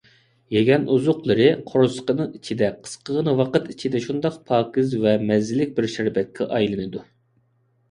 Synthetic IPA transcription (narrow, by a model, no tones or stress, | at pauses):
jeɡʲɛnʔuzʊqlˠɨɾɨqʰoɾsə̥qənɨŋit͡ʃʰid̪ɛqʰə̥sqəʁənɨwɑqət̪it͡ʃʰid̪ɛʃund̪ɑqpʰɑːkʲizvɛmɛzːɪlɪk̚ʲbɪɾʃiɾbɛt̪̚kʲʰɛʔɑjlˠɨnɨd̪u